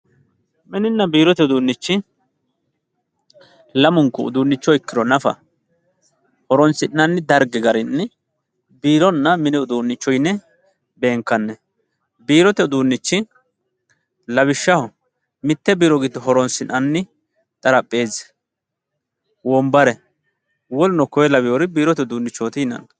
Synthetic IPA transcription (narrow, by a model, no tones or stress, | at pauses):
mɪnɪnːɐbiːɾɔt̪ɛʊd̪uːnːɪt͡ʃːɪ | lɐmʊŋkːɔʊ̰d̪uːnːɪt͡ʃːɔɪkːɪɾɔnɐfɐ̰ | hɔɾɔnsɪnːɐnːɪd̪ɐɾɡɪɡɐɾɪnːɛ | biːɾɔnːɐmɪnɪʊd̪uːnːɪt͡ʃːɔjnːɛ | be̞ːŋkːɐnːɛ | biːɾɔt̪ɛʊd̪uːnːɪt͡ʃːɪn | lɐβɪʃːɐhɔ | mɪt̪ːɛbiːɾɔɡid̪ɔɦɔɾɔnsɪnʔɐnːɪ | t̪ʼɐɾɐpʼːe̞ːz | wɔmbɐɾɛ | wɔlnɔkɔjɛlɐbɪjɔɾɪbiːɾɔt̪ɛʊd̪uːnːɪt͡ʃːoːt̪inɐ̰n